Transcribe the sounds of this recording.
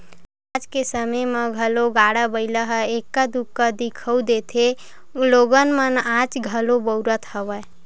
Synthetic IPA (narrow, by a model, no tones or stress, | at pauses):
ad͡ʒkesəməməɡʱəloɡaɽəbəɪləɦəekːəd̪ukːəd̪ikʰəud̪et̪ʰe | loɡənmənat͡ʃɡʱəlobəwɾət̪həʋə